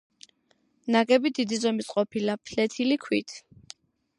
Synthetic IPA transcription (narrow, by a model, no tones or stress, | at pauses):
naɡɛbid̪id̪izɔmisʼqʼɔpʰilapʰlɛt̪ʰilikʰwit̪ʰ